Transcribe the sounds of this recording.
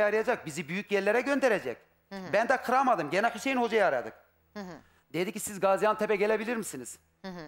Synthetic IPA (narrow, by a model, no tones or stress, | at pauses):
aɾɯjad͡ʒak̚bizibyjycjɛɾlʲeɾɛɟø̞nd̪eɾed͡ʒɛc̚ | bænd̪akʰɯɾamad̪ɯmɟenaxiʃejinho̞d͡ʒajaːɾad̪ɯk̚ | d̪ed̪icʲːisizɡazijant̪ʰɛpɛɟelʲebilʲiɾmisiniz̥